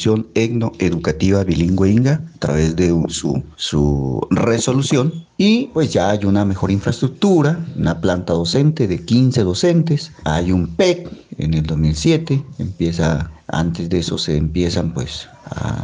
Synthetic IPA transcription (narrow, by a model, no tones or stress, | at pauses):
sjoneɡnoʔeðukat̪iβaβiliŋɡweiŋɡaat̪ɾa̰βezd̪esṵsṵresolusjonipwesʝaajunamexoɾiɱfɾast̪ɾuk̚t̪uɾaunaplant̪aðosent̪eðekinseðosent̪esajumpekḛneld̪ozmilsjet̪eḛmpjesa̰a̰nt̪ezd̪eesoseːmpjesampwḛs | a̰